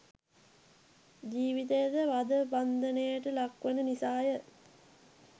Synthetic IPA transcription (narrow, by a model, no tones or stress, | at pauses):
d͡ʒiːʋit̪̬ejəd̪əʋad̪əband̪ənəjəʈəlakʋenənisaːjə